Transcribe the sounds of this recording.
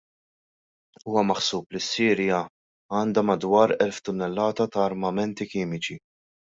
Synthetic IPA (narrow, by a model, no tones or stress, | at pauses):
uːwɐmɐħsuːplisːiːɾjɐ | ɐːnd̪ɐmɐd̪wɐːɾɛlft̪ʊnːɛlːɐːt̪ɐt̪ɐːɾmɐmɛnt̪ikiːmɪt͡ʃi